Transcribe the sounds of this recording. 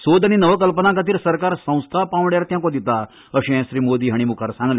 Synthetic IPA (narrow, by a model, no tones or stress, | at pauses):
sod̪ʱaɽ̃inəʋək̬əlpənãkat̪̬iːɾsəɾkaɾsə̃w̃st̪ʰapãʋɽjaɾt̪jãkõd̪it̪a | əɕɛ̃ɕɾiːmod̪iːɦaɽ̃imukʰaɾsãŋɡle